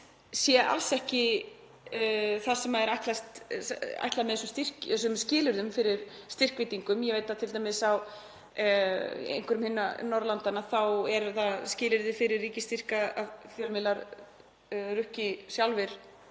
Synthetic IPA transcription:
sjɛʔa̰lsɛhcɪ | θasɛmaɛɾajt̪last̪a̰jht̪lamɛðɛsʏmst̪ir̥cs̬ʏmscɪːlʏɾðʏmfɪɾɪɾ̥st̪ɪr̥kvɪjt̪iŋkʏmjɛvejt̪ːat̪ʰɪlt̪ajmɪsaw | ḛjŋkʏɾʏmhɪnːanɔɾlant̪anaθawɛɾθascɪːlɪɾðɪfɪɾɪɾrːiːcɪst̪ir̥kaa̰ðθjœlmɪlaɾ | rʏhcɪsjawlvɪɾ̥

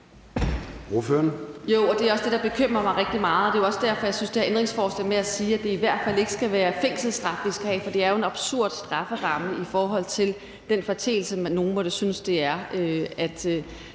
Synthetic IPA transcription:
oføːɐnjo̝̰ɒ̽d̥e̝æɒ̽sd̥e̝ɾ̥ɑ̈b̥e̝kʰøm̰ʁɐmɑ̈ɪʁɛɡ̥d̥imɑ̈ːð̩ˠɒ̽d̥e̝oɒ̽sə̥d̥æɐ̰fɒ̽jäɪsynsd̥eæɐʔend̥ʁeŋsfɒːslɛ̰ːmeæsiːæd̥e̝iʋæɐ̰d̥fæl̰e̝ɡ̥əsɡ̥æʋæːɐfe̝ŋ̰sl̩sd̥ʁɑ̈fʋisɡ̥æhɛ̰ːfɒ̽d̥e̝æɐjo̝e̝nɑ̈b̥suɐ̰d̥sd̥ʁɑ̈fəʁɑ̈məifɒːɦɒ̽l̰t͡sʰe̝l | d̥enfɒt͡sʰe̝̰ːl̩səmænːo̝ːn̩mɒ̽ɾ̥əsynəsd̥e̝æɐøæd̥

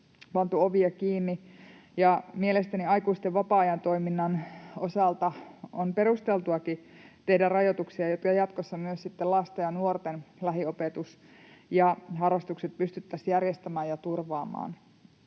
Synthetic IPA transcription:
pɑnt̪uoʋiɑkiːnːi | jɑmielest̪æniɑjkuist̪eʋʋɑpɑːɑjɑnt̪o̞iminːɑnosɑlt̪ɑonpe̞rust̪elt̪uɑkit̪e̞hdærrɑjot̪uksiɑjot̪kɑjɑt̪kosːɑmyøssit̪ːelɑst̪ejɑnuort̪enlæɦiopet̪us | jɑɦɑrːɑst̪ukset̪̚pyst̪yt̪ːæsjærjest̪æmæːjjɑt̪urʋɑːmˑɑ̰ːn

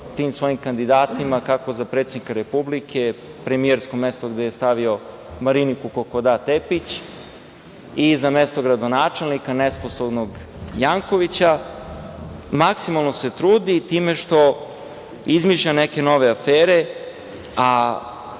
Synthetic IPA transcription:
t̪iːmsʋo̞jimkand̪id̪aːt̪imakako̞zapɾet̪sed̪nikaɾepublikʰe̞ | pɾe̞mieɾsko̞mest̪o̞ɡd̪ejest̪aʋio̞ | maɾinikukokod̪at̪epit͡ɕ | izamest̪o̞ɡɾad̪o̞naːt͡ʂe̞lnikanespo̞sobnoɡ | jaːŋkoʋit͡ɕa | maksimalˠno̞set̪ɾuːd̪it̪iːme̞ʃt̪o̞ | izmiʃʎaneke̞no̞ʋeafeːɾe̞ | a

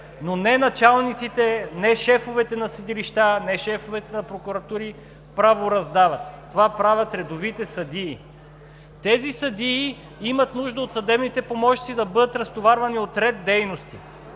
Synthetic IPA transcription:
nonɛnɐt͡ʃalˠnit̪sit̪ɛnɛʃɛfovɛt̪ɛnɐsid̪iliʃt̪anɛʃɛfovɛt̪ɛnɐpɾokuɾɐt̪uɾi | pɾavoɾɐzd̪avɐt̪ːovapɾavʲɐt̪ɾɛd̪ovit̪ɛsɐd̪iː | t̪ɛzisɐd̪iː | imɐt̪nuʒd̪əot̪sɐd̪ɛbnit̪ɛpomɔʃnit̪sid̪ɐbɤd̪ət̪ɾɐst̪ovaɾvɐniot̪ɾɛd̪d̪ɛjnost̪i

